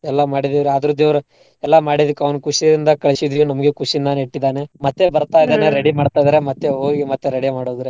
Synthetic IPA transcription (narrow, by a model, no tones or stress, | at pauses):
ɛlːɐmaːɽid̪eːʋɾeaːd̪ɐɾud̪eːʋɾe | ɛlːamaːɽid̪ɐkːɐʋnkuʂiɾind̪ɐkɐɭisid̪ɾenɐmɐɡe̞kuʂind̪aniʈːid̪aːne̞mɐt̪ːebɐɾt̪aːjd̪eneɾeɽimaːɖt̪aːjd̪aːɾemɐt̪ːeɦoːɡimɐt̪ːeɾeɽimaːɽoːd̪ɾe